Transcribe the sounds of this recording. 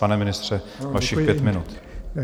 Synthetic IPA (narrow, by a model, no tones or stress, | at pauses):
anɛmɪnɪst̪r̝̥ɛ | vaʃɪxpjɛmɪnut̪